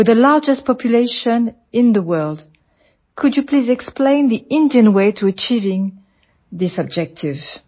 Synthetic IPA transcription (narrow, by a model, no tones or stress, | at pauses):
wɨðəlaɹd͡ʒɨst̚pʰɑpʰjuleɪʃə̃n | ɪ̃nðəwɜ˞lˠd | kʰɨd͡ʒjɨpʰlizɛksplẽɪ̃nðiɪ̃ndiɨ̃nweɪtʰuət͡ʃivɪ̃ŋ | ðɪsəb̚d͡ʒɛk̚tʰɪv̥